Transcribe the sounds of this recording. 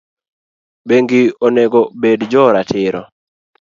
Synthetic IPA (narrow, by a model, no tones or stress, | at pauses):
beŋɡioneɡobedd͡ʒɔɾatʰɪɾɔ̰